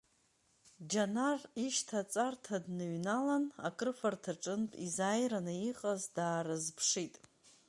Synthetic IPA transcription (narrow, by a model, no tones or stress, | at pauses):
d͡ʒanariʃtʰat͡sʼartʰadnɨɥnalana̰kʼɨrfartʰaʈ͡ʂʼɨntʼizajɾanɨiqʼazdaːɾɨzpʰʂitʼ